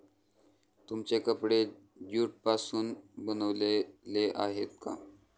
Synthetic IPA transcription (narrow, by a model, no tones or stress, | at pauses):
t̪umt͡ɕekəpɽe | d͡ʑuʈ̚pasuːnbənəʋleleʔaɦet̪̚ka̰